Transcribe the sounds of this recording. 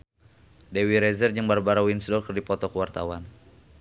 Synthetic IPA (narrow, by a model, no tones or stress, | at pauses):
dewiɾɛzərd͡ʒəŋbarbaɾawinsdɔrkərdipɔt̪ɔkəwart̪a̰wan